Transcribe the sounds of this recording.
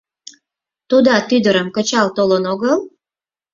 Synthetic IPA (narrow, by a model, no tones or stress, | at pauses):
t̪ud̪ɑt̪yd̪əɾəmkə̆t͡ɕɑlt̪olənoɣəl